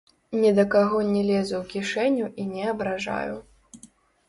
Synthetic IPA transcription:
nʲɛd̪ɐkaɣɔnʲɛlʲɛzuwkʲiʂɛnʲuʔinʲɛɐbɾaʐa̰jṵ

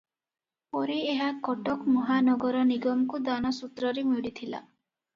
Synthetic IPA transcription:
pɔɾieɦakɔʈɔkmɔɦanɔɡɔɾɔniɡɔmkud̪anɔsut̪ɾɔɾemiɽit̪ʰila̰

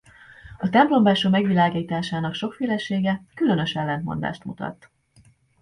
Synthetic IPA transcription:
ɒt̪ɛmplo̞mbaːʃomɛɡʋilaːɡiːt̪aːʃaːnɒkʃo̞kfeːlɛʃeːɡɛkylø̞nø̞ʃɛlːɛnt̪mo̞nd̪a̰ːʃt̪mṵt̪ɒ̰t̪ː

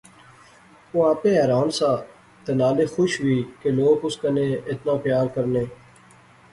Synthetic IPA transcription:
oãːpẽːɛːɾaːnsãː | t̪enaːleːxʊʃʋiːkeloːkʊskəneːɪt̪nãːxjaːɾkəɾneː

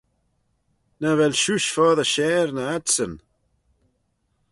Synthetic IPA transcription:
nəvɛlʃuʃfɔðəʃɛːɾnəasən

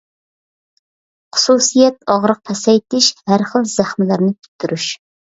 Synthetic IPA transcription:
χʊ̥susijɛt̪̚ɑʁɾəq̚pʰɛsɛjt̪ɪʃhæɾχəlˠz̥æχmɪlæɾnɪt̪ʰy̥t̪ʰːyɾyʃ

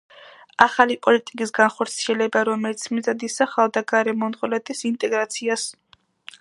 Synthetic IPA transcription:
aχalipʼɔlit̪ʼikʼisɡanχɔɾt̪sʰiɛlɛbaɾɔmɛlit̪sʰmizad̪isaχalˠd̪aɡaɾɛmɔnχʼɔlɛt̪ʼisint̪ʼɛɡɾat̪sʰias

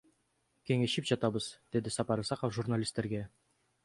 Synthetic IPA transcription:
kʲʰe̞ŋeʃipʒ̥ɑt̪ɑbəz̥d̪̥ed̪ɪsɑpɑɾɤsɑqəfʒurnalʲist̪ːe̞ɾɡʲe

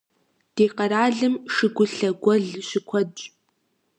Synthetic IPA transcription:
d̥eːqɐraːɮɨmʂɨɡʷʊɬɐɡʷɔɮɕɪkʷʰɔdʼ

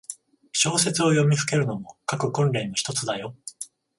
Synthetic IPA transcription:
ɕo̞ːse̞t͡sɨo̞jo̞mʲiɸɯ̟ke̞ɾɯ̟no̞mo̞kakɯ̟kõnɾe̞ːnoçi̥t̪o̞t͡sɨd̪ajo̞

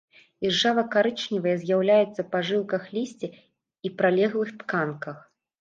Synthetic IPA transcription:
irʐavɐkaɾɨt͡ʂnʲivɐjɐzʲjawlʲajɛt̪sːɐpaʐɨlkɐxlʲisʲt͡sʲi | ipɾalʲɛɣlˠɨxt̪kankɐx

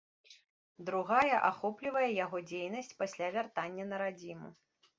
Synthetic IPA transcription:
d̪ɾuɣajɐʔaxɔplʲivɐjɛjaɣɔd͡zʲejn̪ɐsʲt͡sʲpasʲlʲavʲart̪anʲːɐnɐɾad͡zʲimṵ

